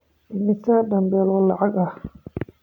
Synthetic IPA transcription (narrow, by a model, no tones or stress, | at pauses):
ʔɪmɪt̪ʰaɖɐmbɛːlɔlɑʕɑɡɐh